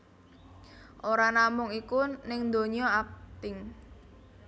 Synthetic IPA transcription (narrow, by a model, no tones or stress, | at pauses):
ʔoɾanamʊŋikunɪŋnd̪o̤ɲɔak̚t̪ɪŋ